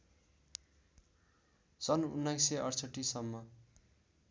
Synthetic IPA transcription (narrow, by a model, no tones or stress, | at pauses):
sʌnṵnːajseʌrsʌʈːisʌmːʌ